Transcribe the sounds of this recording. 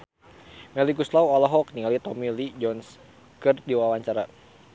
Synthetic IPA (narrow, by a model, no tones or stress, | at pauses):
mɛliɡuslawalɔɦɔk̚niŋalit̪ɔmilid͡ʒɔns | kɨrdiwawaɲt͡ʃaɾa